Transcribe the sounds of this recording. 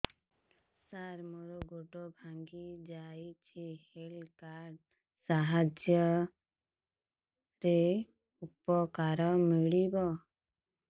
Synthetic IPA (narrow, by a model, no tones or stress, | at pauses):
saɾmɔɾɔɡoʈobʱaŋɡid͡ʒajt͡ʃʰihelkaɾɖ | saɦad͡ʒjɔ | ɾe | upɔkaɾɔmiɽibɔ